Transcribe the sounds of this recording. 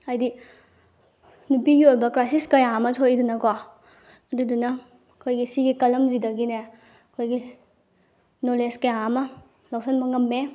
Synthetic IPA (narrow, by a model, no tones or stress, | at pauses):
ɐjdi | nupiɡiojbɐkɾajsiskɐjamɐtʰojdunɐkɔ | ɐdudunɐ | kʰojɡisiɡikɐlɐmzidɐɡine | ɐkʰojɡi | noleskɐjaɐmɐ | lawsɐnmɐŋɐmːe